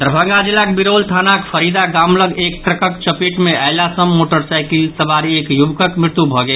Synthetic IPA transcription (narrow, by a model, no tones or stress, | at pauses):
d̪ɾəbʱə̃ŋɡad͡ʒilːakebiɾolt̪ʰanakpʰəɾid̪aɡamləɡek̚tɾəkəkt͡ʃəpiʈmeaɪlasəmːoʈəɾsajkilsəbaɾiekjubkəkmɾɪɾt̪ubʱɔɡe